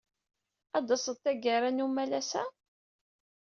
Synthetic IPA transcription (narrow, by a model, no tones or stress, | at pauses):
ɑd̪ɑsˤəd̪t̪ːæɡəɾanumælæsæ